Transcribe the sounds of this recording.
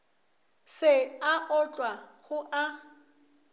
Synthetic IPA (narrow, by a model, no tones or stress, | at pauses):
sɪaʔɔt͡ɬʼwaɣʊʔa